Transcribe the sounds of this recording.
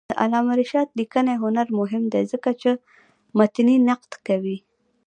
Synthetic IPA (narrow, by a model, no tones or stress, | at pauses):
əʔa̰lɑmaɾɪʃɑd̪likənajɦʊnaɾmʊɦɪmd̪ezəkat͡ʃe | mat̪ninaqd̪kawi